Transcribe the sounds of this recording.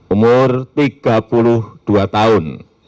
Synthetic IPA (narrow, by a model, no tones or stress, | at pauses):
umʊrt̪iɡ̥a̤pulʊhd̪̥uat̪aʊn